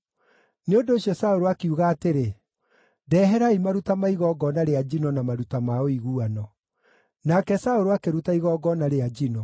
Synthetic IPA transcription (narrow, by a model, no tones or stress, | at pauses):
neodoːɕjɔsaoɾoakiuɣaːteɾe | dɛɦɛɾaimaɾutamaiɣɔɡɔnaɾead͡ʒinɔnamaɾutamaoiɣuanɔ | nakɛsaoɾoakeɾutaiɣɔɡɔnaɾead͡ʑinɔ